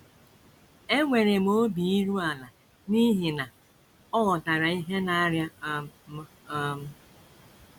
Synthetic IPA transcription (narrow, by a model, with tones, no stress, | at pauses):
e˦ŋʷe˨ɾe˨mo˦bi˨i˦ɾu˦a˨la˨ | ni˦ɦi˨na˨ | ɔ˦ɣɔ˨ta˨ɾa˨i˦ɦe˦na˨˦ɾja˦ | ɔ˦m̩˦